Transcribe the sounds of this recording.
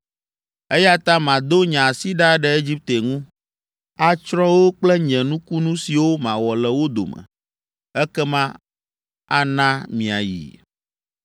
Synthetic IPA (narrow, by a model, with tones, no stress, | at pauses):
ɛ˦ja˦t̪a˦mã˨d̪o˦ɲã˨si˦ɖa˦ɖɛ˨e˦d͡ʑi˦p̚t̪e˨ŋũ˦ | a˦t͡ʃɾɔ˦wo˦k͡plɛ˦ɲɛ̃˨nũ˦ku˦nũ˦si˨wo˦mã˨wɔ˨lɛ˨wo˦d̪o̰˨mɛ̰̃˨ | ɛ˦kɛ˦mã˦ | a˦nã˦mĩ˨a˨jḭ˨